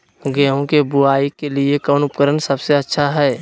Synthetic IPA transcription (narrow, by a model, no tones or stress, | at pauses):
ɡɛːɦõkebʊaːikelɪekɔːnʊpkəɾənsəbseətːʃʰaɦɛː